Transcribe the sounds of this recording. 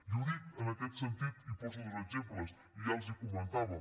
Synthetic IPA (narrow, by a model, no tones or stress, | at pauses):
juðit̪ənəkɛt̪sənt̪it̪ipɔsəðzəzempləs | iʒalˠzikumənt̪aβə